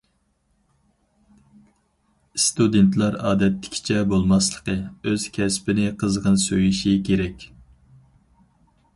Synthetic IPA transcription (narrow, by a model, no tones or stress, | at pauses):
st̪ud̪ent̪lˠɑɾɑːd̪ɛt̪ʰːɪ̥kʲʰi̥t͡ʃʰɛbolˠmɑslˠə̥qʰəøz̥kʲʰɛspɪnɪqʰəzʁənsøjiʃikʲeɾɛkʲ